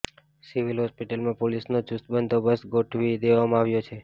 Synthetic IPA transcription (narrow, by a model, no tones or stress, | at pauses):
siʋilɦɔspiʈəlmãpolisnot͡ʃust̪bənd̪ʱobəsɡoʈʰʋid̪eʋamãaʋjot͡ʃʰe